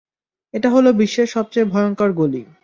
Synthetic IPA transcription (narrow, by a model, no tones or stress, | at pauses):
eʈaɦolobiʃːeʃɔb̚t͡ɕejbʱɔeoŋkaɾɡoli